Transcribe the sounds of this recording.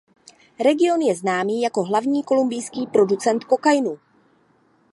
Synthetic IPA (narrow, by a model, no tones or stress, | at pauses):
ɾɛɡɪo̞njɛznaːmiːjako̞ɦlavɲiːko̞lumbɪjskiːpɾo̞dut͡sɛnt̪kokajnu